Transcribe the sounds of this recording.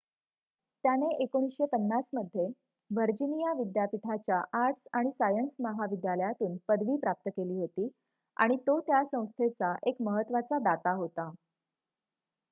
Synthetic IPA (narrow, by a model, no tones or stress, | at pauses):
t̪janeʔekoɽ̃isɕepənːasməd̪ʱːje | ʋəɾd͡ʑinijaʋid̪japit̪ʰat͡ɕjaʔaɾʈʰsaɽ̃isajənsməɦaʋid̪jaləjat̪uːnpəd̪ʋiːpɾap̚t̪əkeliːɦot̪iː | a̰ɽ̃it̪ot̪jasə̃w̃st̪ʰet͡saʔekməɦət̪ːʋat͡sad̪at̪aɦot̪a